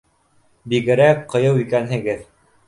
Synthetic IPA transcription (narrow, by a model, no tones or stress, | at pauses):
biɡɘ̆ɾækqɤ̆jɤwikænɦɘ̆ɡɘð